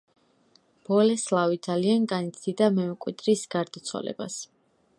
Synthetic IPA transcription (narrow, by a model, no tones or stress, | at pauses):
b̥ɔlɛslˠavid̪zalianɡanit̪sʰd̪id̪amɛmɛkʼwḭd̪ɾisɡaɾd̪at̪sʰwa̰lɛ̰ba̰s